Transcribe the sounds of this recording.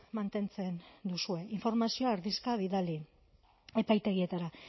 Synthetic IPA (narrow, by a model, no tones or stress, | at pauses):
mant̪e̞nt͡se̞nd̪usue̞iɱfo̞ɾmasio̞aːɾðiskaβiðali | e̞pajt̪e̞ɣie̞t̪aɾa